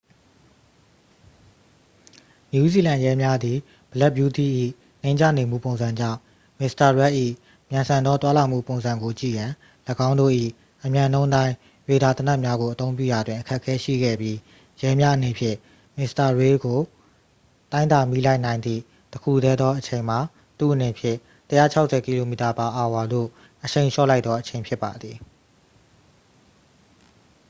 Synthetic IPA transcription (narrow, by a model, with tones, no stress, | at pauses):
ɲju˦zi˨lã˨jɛ˦mja˦d̪i˨ | b̥ə˨lɛ˦bju˦t̪ḭ˦˨ʔḭ˦˨ | nẽ˦ɪ̃ɲd͡ʑa̰˦˨ne˨mṵ˦˨põ˨ʊ̃nz̥ã˨ɲd͡ʑã̰˦˨ʊ̃ | mɪ˨sta˨ɹɛ˦ʔḭ˦˨ | mjã˨nsʰã˨nd̪ɔ˦t̪wa˦lã˨m̥ṵ˦˨põ˨ʊ̃nzã˨ŋɡo˨t͡ɕḭ˦˨jã˨ | ləɡã˦ʊ̃ndo̰˦˨ʔḭ˦˨ | ʔəmjã˨nõ˦ʊ̃t̪ã˦ɪ̃ | je˨d̪a˨t̪ə˨na˦ʔmja˦ɡo˨ʔət̪õ˦ʊ̃mpjṵ˦˨ja˨dwɪ̃˨ʔəkʰɛ˦ʔkʰːɛ˦ʃḭ˦˨ɡɛ̰˦˨bji˦ | jɛ˦mja˦ʔənẽ˨pʰjɪ̰̃˦˨ | mɪ˨sta˨ɹe˦ɡo˨ | t̪ã˦ɪ̃nd̪a˨mi˦la˦ɪʔnã˨ɪ̃nd̪ðḭ˦˨ | təkʰṵ˦˨d̪ɛ˦d̪ɔ˦ʔət͡ɕʰẽ˨ɪ̃m̥a˨ | t̪ṵ˦˨ʔə˨nẽ˨pʰjɪ̰̃˦˨ | təja̰˦˨t͡ɕʰa˦ʊʔsʰɛ˨ki˨lo˨mi˨ta˨pa˨ʔa˨wa˨d̪o̰˦˨ | ʔəʃẽ˨ɪ̃ʃɔ̰˦˨la˦ɪt̪ːɔ˦ʔət͡ɕʰẽ˨ɪ̃pʰjɪ˦pːa˨d̪ði˨